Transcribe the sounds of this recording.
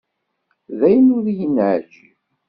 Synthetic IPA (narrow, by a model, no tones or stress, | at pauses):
ðæjənʊðjənʕd͡ʒi